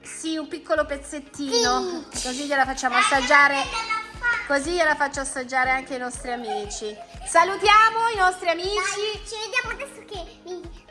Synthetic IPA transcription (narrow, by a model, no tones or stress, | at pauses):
siumpikːolopet̪sːet̪ːiːnnokozijelafat͡ʃːaːmoast̪ad͡ʒːaːɾe | kozijelafat͡ʃːoast̪ad͡ʒːaːɾeaŋkeinɔst̪ɾiamiːt͡ʃisalut̪jaːmoinɔst̪ɾiamiːt͡ʃit͡ʃived̪jaːmoad̪ɛsːoke | i